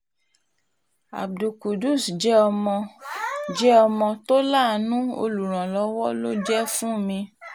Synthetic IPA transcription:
a̰˨b̚du˨ku˨du˦˨sd͡ʒɛ˦ɔ˧mɔ̃˧ | d͡ʒɛ˦ɔ˧mɔ̃˧to˦la˦˨nũ˦o̰˧lu˨ɾ̃ã˨lɔ˨˧wɔ˦lo˦d͡ʒɛ˦fũ˦˨mĩ˧

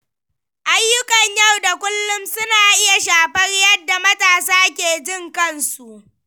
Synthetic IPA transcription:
ʔa˦jːʊ˦kɐ˨ɲja˦˨wda˨kʷʊ˦lːʊ˦msʊ˦naː˨ʔɪ˦ja˨ʃaː˨ɸɐ˦rjɐ˦dːa˨mɐ˦taː˨saː˦k̬ʲeː˨d͡ʒɪ˦˨ŋkɐ˦˨nsu˨ʔ

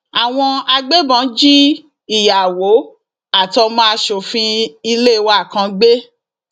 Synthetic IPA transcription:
a˨w̃ɔ̃˧a˧ɡ͡be˦bɔ̃˨˦d͡ʒi˦ | i˦˨ja˨wo˨˦ | a˦˨tɔ˧mã˦ʃo˨fĩ˧i˧le˦˨˧wa˦˨kã˧ɡ͡be˦

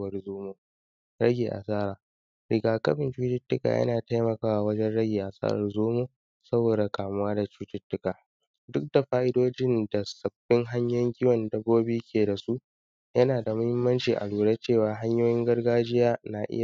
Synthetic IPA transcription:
wɐ˦rzoː˦moː˦ | ɾɐ˦ɡʲeː˨ʔa̰˨saː˦ɾaː˨ | ɾɪ˨ɡaː˨kɐ˦ɸɪ˨nt͡ʃuː˦t͡ʃɪ˦tːʊ˦ka̰˨jʔɐ̰˦naː˨ta˦jmɐ˨kaː˦wa˨wɐ˦d͡ʒɛ˦nɽɐ˦ɡʲeː˨ʔa˨sa̰ː˦ɾɐ̰˨rzoː˦moː˦ | sɐ˦boː˨da˨kaː˨mʊ˦waː˦da˨t͡ʃuː˦t͡ʃɪ˦tːʊ˦kaː˨ | dʊ˦k̚d̥a˨ɸaː˦ʔɪ˦doː˦d͡ʒɪ˦nda˨sɐ˨bːɪ˦ŋɦa˦ɲjɔ˦ŋɡʲɪ˦wɐ˨ndɐ˨˦ɡʷoː˦bi˦kʲʰeː˨da˨su˦ʔ | jɐ˦naː˨da˨mʊ˦hɪ˦mːɐ˦nt͡ʃiː˨ʔa̰˨luː˨ɽa˦t͡ʃeː˦˨waː˨ɦa˦ɲjoː˦jɪ˦ŋɡɐ˦rɡaː˦d͡ʒɪ˦jaː˦na˨ʔɪ̰˦ja˨

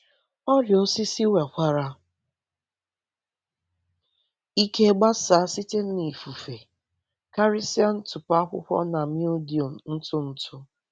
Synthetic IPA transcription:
ɔ˦ɾjo˦si˦si˦we˨kʷa˦ɾa˦ | i˦ke˦ɡ͡ba˦sa˦si˦te˦n̩˦ni˨fu˨fe˨ | ka˦ɾi˦si˦a˦n̩˦tʊ˨pa˦kʷʊ̰˦kʷɔ̰˦na˨mju˦di˨o˨m̩˨n̩˦tʊ˦n̩˦tʊ˦

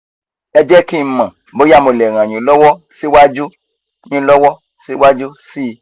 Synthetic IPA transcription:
ɛ˦d͡ʒɛ˦kĩ˦˨˦mã˨ | bo˦ja˦mo˨lɛ˨ɣã˨ɲĩ˨lɔ˦wɔ˦ | si˦wa˦d͡ʒu˦ | ɲĩ˨˦lɔ˦wɔ˦ | si˦wa˦d͡ʒu˦si˦˨

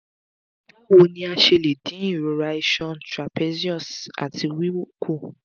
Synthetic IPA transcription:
a˦wo˨˧nĩ˧˦a˧ʃe˧le˨dĩ˨˦i˦˨ɾo˨˦ɾa˧i˧ʃɔ̃˦˨ntɾa˨pɛ˦zi˦ɔ˦˨sa̰˨tʰi˧wi˦wo˦˨kʰo˦˨

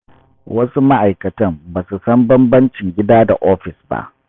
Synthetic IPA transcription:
wɐ˦su˦ma˦ʔa˨jkɐ˨tɐ˦mbaː˨su˨sɐ˦mbɐ˦mbɐ˦nt͡ʃɪ˨ŋɡʲɪ˦daː˦da˨ʔoː˦ɸɪ˨sba̰˦ʔ

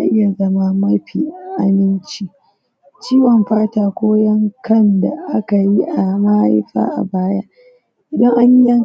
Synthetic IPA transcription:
a̰˦ʔɪ˦ja˨zɐ˦ma˦mɐ˦ɸiː˨ʔʔa˦mɪ˦nt͡ʃi˦ | t͡ʃiː˦wɔ˨mɸaː˦taː˨kʷoː˦jɐ˦ŋkɐ˦nda˨ʔa˦ka˨ji˦ʔa˨ma˦a̰˦ɸa̰ː˦ʔa̰˨baː˦ja̰ː˦ | ʔɪ˨dɐ˦ŋʔa˦ɲi˦jɐ˦ŋ

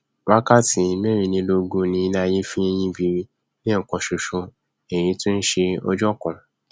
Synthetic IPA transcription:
wa˦ka˦˨ti˨˦mɛ˦ɾ̃ĩ˧nĩ˧lo˧ɡũ˧nĩ˧i˧na˧je˦fĩ˦e˧j̃ĩ˧bi˧ | nĩ˦˨kɔ̃˨ʃu˨ʃũ˧ | e˨j̃ĩ˨˧˦tĩ˦n̩˦ʃe˧ɔ̰˧d͡ʒɔ˦kɔ̃˨

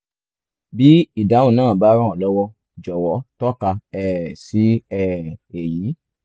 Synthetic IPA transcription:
bi˦i˦˨da˨˦wũ˦˨nãː˦˨ba˦ɾã˦˨ɔ˨lɔ˦wɔ˧ | d͡ʒɔ˨wɔ˨˦tɔ˦ka˧ɛ˨si˨˦ɛ˦˧˨e˨ji˨˦

